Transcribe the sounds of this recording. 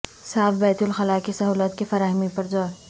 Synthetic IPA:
saːfbɛːt̪ʊlxɐlaːkisɐɦuːlət̪kefɐɾaːɦmipɐɾd͡ʒɔːɾ

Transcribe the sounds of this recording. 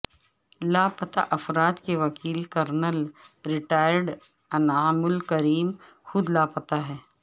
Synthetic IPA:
laːpɐt̪a̰ʔɐfɾaːt̪keʋɐkiːlkɐɾnəlɾɪʈaːɪɾɖ | ɐnaːmʊlkɐɾiːm | xʊd̪laːpɐt̪aɦɛː

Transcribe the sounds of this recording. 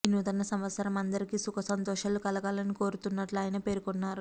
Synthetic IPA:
inːut̪ɐnːɐsɐmʋɐt̪sɐɾɐmɐnd̪ɐɾikisukʰɐsɐnt̪ɔːʃaːlukɐlɐɡaːlɐniko̞ːɾut̪unːɐʈluaːjɐnɐpe̞ːɾukɔnːaːɾu

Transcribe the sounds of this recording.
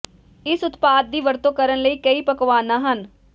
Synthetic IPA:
ɪsʊt̪paːd̪̚d̪iːʋəɾt̪õːkəɾənləiːkəiːpəkʋaːnãːɦən

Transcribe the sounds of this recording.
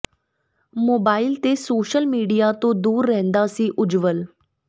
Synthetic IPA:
moːbaːɪlt̪esoːʃəlmiːɖijat̪õd̪uːɾːɛɦnd̪asĩʔʊd͡ʒʋəl

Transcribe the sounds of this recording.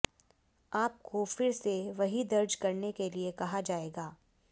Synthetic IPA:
aːp̚kofɪɾseʋɐɦid̪ɐɾd͡ʒkɐɾnekeliekɐɦad͡ʒaːeːɡaː

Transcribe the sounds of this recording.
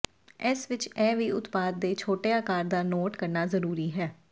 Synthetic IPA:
ɪsʋɪt͡ʃɛːʋiːʊt̪paːd̪̚ːeːt͡ʃʰoːʈeːaːkaːɾd̪aːnoːʈkəɾnaːzəɾuːɾiːɦɛː

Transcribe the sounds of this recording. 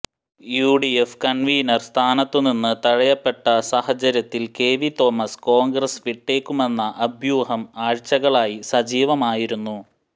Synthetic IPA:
juːɖiefkɐnʋiːnɐrst̪ʰaːnɐt̪ːɨninːɨt̪ɐɻɐjɐpːe̞ʈːɐsɐhɐt͡ɕɐɾjɐt̪ːilke̞ːʋit̪o̞ːmɐsko̞ːŋɡɾɐsʋiʈːe̞ːkːume̞nːɐʔɐbʱjuːhɐmaːɻt͡ɕːɐɣɐɭaːjisɐd͡ʑiːʋɐmaːjiɾunːu

